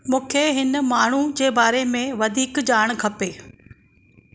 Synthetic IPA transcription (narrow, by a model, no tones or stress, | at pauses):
mũːkʰeɦɪn̆maːɳ̤ud͡ʑeːbaːɾemẽʋɐd̪ʱiːkd͡ʑaːɽ̃kʰɐpeː